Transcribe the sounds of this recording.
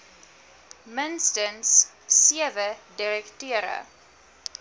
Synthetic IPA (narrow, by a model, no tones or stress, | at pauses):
mənstənsː | iəvədiɾɛktøəɾə̰